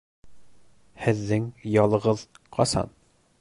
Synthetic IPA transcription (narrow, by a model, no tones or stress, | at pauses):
hɘ̆ðːɘŋjɒlˠɤ̆ʁɤðqʰɒsɑ̰n